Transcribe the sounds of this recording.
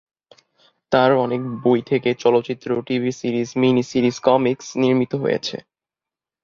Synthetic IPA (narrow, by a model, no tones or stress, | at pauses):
t̪aɾɔnek̚bojt̪ʰeket͡ɕɔlotːɕit̪ːɾoʈibʱisiɾizminisiɾizkɔmiksniɾmit̪oɦo̰jḛt͡ɕʰḛ